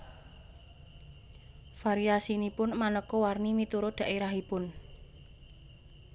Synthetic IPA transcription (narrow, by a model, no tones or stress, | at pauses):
faɾiasinipʊnmanəkɔwarnimit̪uɾod̥ä̤ʔiɾaɦipʊn